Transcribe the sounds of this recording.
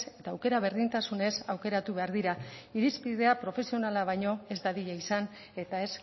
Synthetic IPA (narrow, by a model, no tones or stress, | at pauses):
se̞t̪aːwke̞ɾaβ̞e̞ɾðint̪asune̞sawke̞ɾat̪uβe̞aɾðiɾaiɾispiðe̞apɾo̞fe̞sio̞nalaβ̞ajɲo̞e̞zd̪aðiʎaisan | e̞t̪ae̞s